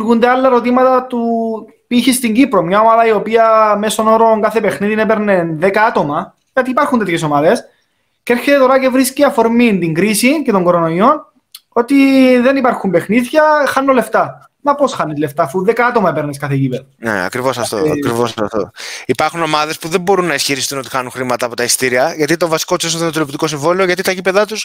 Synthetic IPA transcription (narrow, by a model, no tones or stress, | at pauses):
ɣund̪ealːɐeɾo̞t̪imɐt̪ɐt̪u | piçist̪iɲɟipɾo̞mɲɐomaðɐio̞piɐme̞sonoɾoŋkɐθe̞pe̞xniðinepe̞ɾnenðekɐɐt̪o̞mɐ | ʝɐt̪iːpɐɾxunt̪et̪çes̬o̞mɐðes | ceeɾçet̪e̞t̪o̞ɾɐce̞vɾisciɐfo̞ɾmint̪iŋɡɾisice̞t̪o̞ŋɡo̞ɾonoio̞n | o̞t̪iðe̞nipɐɾxumbexniðʝɐxɐnːole̞ft̪ɐ | mɐpo̞sxɐnːezle̞ft̪ɐːfuðekɐɐt̪o̞mɐepeɾneskɐθecipeðɐnḛɐ̰kɾivo̞sɐft̪o̰kɾivosɐft̪o̰ipɐɾxuno̞mɐðe̞spuðe̞mbo̞ɾunːɐisçiɾist̪uno̞t̪ixɐnuŋxɾimɐt̪ɐːpot̪ɐist̪iɾiɐʝɐt̪it̪o̞vɐsi̥kot̪uses̬oðot̪olopt̪iko̞s̬iɱvolio̞ʝɐt̪it̪ɐʝipe̞ðɐt̪us